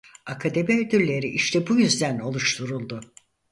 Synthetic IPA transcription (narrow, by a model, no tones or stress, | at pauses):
akʰad̪e̞miød̪yllːʲe̞ɾiʔiʃt̪ʰɛbujyzd̪æno̞lˠuʃt̪ʰuɾulˠd̪ʊ